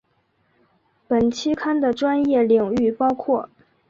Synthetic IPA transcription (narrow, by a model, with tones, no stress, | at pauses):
pə˨˩nt͡ɕʰi˥kʰa˥nd̪ə˨ʈ͡ʂwa˥njɛ˥˩li˨˩ŋy˥˩pɑ˥ʊkʰwɔ˥˩